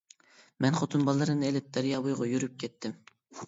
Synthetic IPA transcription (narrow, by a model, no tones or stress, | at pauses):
mɛnχot̪ʰɨnbɑlˠːɨɾɨnɨelɪp̚d̪̥æɾjɑːbojʁɑjyɾyp̚kʲɛt̪ʰːɪm